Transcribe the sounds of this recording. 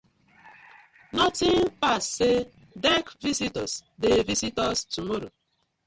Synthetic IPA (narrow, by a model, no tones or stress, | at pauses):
nɔtɪŋpasːe | dɛkvisitɔsdevisitɔstumɔɾo̰